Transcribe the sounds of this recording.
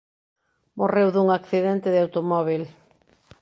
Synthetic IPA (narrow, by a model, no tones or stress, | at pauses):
morewðuŋakθiðɛnt̪ɪðɪawt̪omɔβ̞il